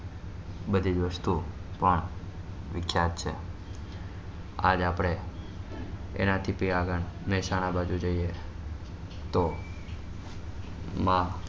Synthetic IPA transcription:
bəd̪ʱid͡ʒʋəst̪upəɳʋɪkʰːjat̪t͡ʃʰḛ | a̰d͡ʒapɽ̃e | ḛnat̪ʰipiaɡəɳməɦʃaɽ̃ãbad͡ʒud͡ʒəie | t̪o | mã

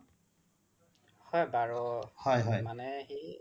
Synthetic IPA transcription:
hɔjbaɹɔhɔjɦɔjmanɛxi

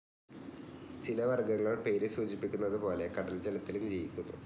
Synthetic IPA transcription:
t͡ɕilɐʋɐrɡɐŋːɐɐɭpe̞ːɾɨsuːd͡ʑipːikʲːunːɐðɨpo̞ːle̞kɐɽɐld͡ʑɐlɐt̪ːilumt͡ɕe̞jːikʲːunːṵ

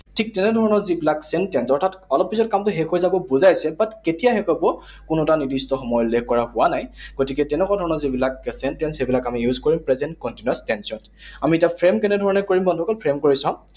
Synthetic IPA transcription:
tʰik̚tɛnɛdʱɔɹɔnɔɹzibilaksɛntɛnsɔɹtʰatɔlɔpːisʰɔtkamtʊɦekʰojzabɔbuzajsɛbatketijaɦɛkɔbɔ | kʊnʊtanidistɔxɔmɔjulːɛxkɔɹahʊwanajɡ̥otikɛtɛnɛkɔadʱɔɹɔnɔɹzibilaksɛntɛnsxebilakamijuzkɔɹimpɹɛzɛnkɔntinuastɛnsɔnt | amietapʰɹemkɛnɛdʱɔɹɔnɛkoɹimbɔndʱɔkalpʰɹemkoɹisɔ̃

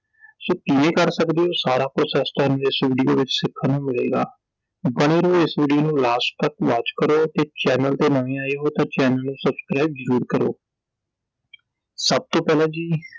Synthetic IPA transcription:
soːkiːʋeːkəɾsəkd̪eːɦoːsaːɾaːpɾoːsɛːst̪ʰaːnũːɪsʋiːɖijoːʋɪt͡ʃsɪkʰːãːnũːmɪleːɡa̰ː | bəɽ̃eːɾoːɪsʋiːɖioːnũːlaːsʈ̚t̪əkʋad͡ʒkəɾoːt̪eːt͡ʃɛːnəlt̪eːnaːĩːaːeːɦoːt̪aːt͡ʃɛːnəlnũːsəbskɾaːɪb̚zəɾuːɾkəɾo̰ː | səb̚t̪õːpɛːlãːd͡ʒiː

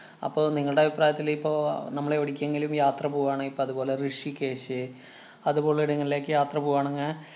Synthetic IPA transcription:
ɐ̰pːo̞ːniŋːɐɭɨɽeɐbʱipraːjɐt̪ːilːeipːo̞ːnɐmːɐɭeʋiɽikʲːeŋɡilumjaːt̪rɐpuːʋaːɳɨipːoːɐðupo̞ːle̞rɨʂikeːɕɨ | ɐðupo̞ːɭeiɽɐŋːɐɭile̞ːkːɨjaːt̪rɐpuːʋaːɳɐŋː

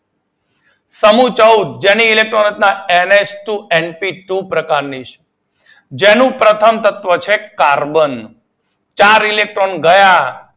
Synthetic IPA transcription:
səmũt͡ʃəut̪̚d͡ʒeniːlek̚ʈɾonɦət̪naenesʈuenpiʈupɾəkaɾniʃ | d͡ʒenũpɾət̪ʰəmt̪ət̪ʋət͡ʃʰekaɾbən | t͡ʃaɾilek̚ʈɾonɡəja

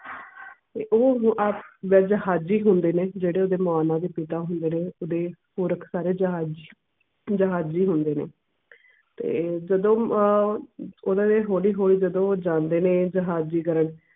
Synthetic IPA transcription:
t̪eːʔoːɦʔaːpʋɛːd͡ʒəhaːd͡ʒiːɦʊnd̪eːneːd͡ʒeːɽeːoːd̪eːmʊaːnãːd̪eːpɪt̪aːɦʊnd̪eːnẽːod̪eːfoːɾəkʰsaːɾeːd͡ʒɦaːd͡ʒi | d͡ʒəɦaːd͡ʒiːɦʊnd̪eːnḛː | t̪ḛːd͡ʒəd̪õː | ʊnãːd̪eːɦoːliːɦoːliːd͡ʒəd̪õd͡ʒãːnd̪eːnẽːd͡ʒəɦaːd͡ʒiːkəɾəɳ

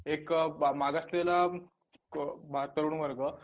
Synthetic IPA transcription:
ekmaɡaslela | bʱat̪əɾuːɳʋəɾɡə

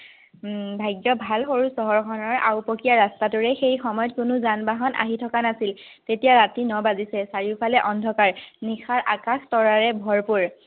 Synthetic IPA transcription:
bʱajɡjɔbʱalxoɹusɔɦɔɹxɔnɔɹa̰ɹupokijaɹastatʊɹɛxejxɔmɔjɔtkʊnʊzanbaɦɔnʔa̰ɦitʰɔkanasiltetijaɹatinɔbazisɛsaɹiʊpʰalɛʔɔndʱɔkaɹnixaɹʔakaxtɔɹaɹɛbʱɔɹpuɹ

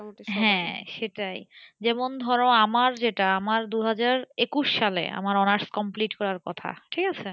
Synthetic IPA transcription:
ɦɛ̃ʃeʈajd͡ʑɛmond̪ʱɔɾoamaɾd͡ʑeʈaamaɾd̪uɦad͡ʑaɾekuʃːalḛa̰maɾɔnaɾskɔmpliʈkɔɾaɾkɔ̰t̪ʰa̰ʈʰikat͡ɕʰe

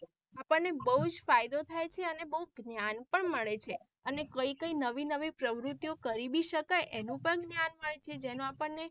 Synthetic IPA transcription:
apəɳːebəɦud͡ʒfajd̪ot̪ʰajt͡ʃʰeənebəɦuɡnjanpəɳməɭet͡ʃʰe | ənekəikəinəʋinəʋipɾəʋɾut̪jokəɾibiʃəkajʔenũpəɳɡnjanməɭet͡ʃʰed͡ʒenõapəɳːe

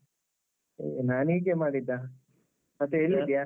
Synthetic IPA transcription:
naːnikemaːɽid̪ːa | mɐt̪eilːid̪ija

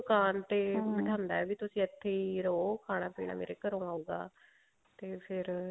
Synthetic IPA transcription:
d̪ʊkaːnt̪eːməʈãːnd̪aːɛʋiːt̪ʊsĩːɪt̪ʰːeːiːɾoːkʰaːɽ̃aːpiːɽ̃a̰ːmeːɾeːkəɾõːaːoːɡa̰ː | t̪eːpʰɪɾ

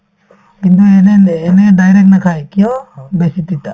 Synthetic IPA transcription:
kint̪ueneeneɖajɾek̚ʈnɐkʰaekijobesit̪it̪a

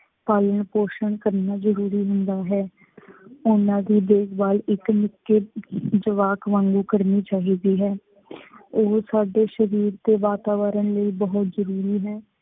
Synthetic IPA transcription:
paːləɳpoːʃəɳkəɾnaːzəɾuːɾiːɦʊnd̪aːɦɛː | ʊnãːd̪iːd̪eːɡbaːlɪknɪkːeːd͡ʒəʋaːkʋãːŋɡuːkəɾniːt͡ʃaːɦiːd̪iːɦɛː | oːsaːɖeːʃəɾiːɾt̪eːʋaːt̪aːʋəɾəɳləiːbəɦʊt̪zəɾuːɾiːɦɛː

